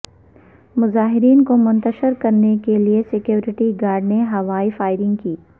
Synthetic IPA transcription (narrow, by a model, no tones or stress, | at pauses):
mʊzaːɦɪɾiːnkomʊ̃nt̪əʃɪɾkɐɾnekeliesɪkjoːɾɪʈiɡaːɾɖneɦɐʋaːifaːɪɾɪ̃ŋɡkiː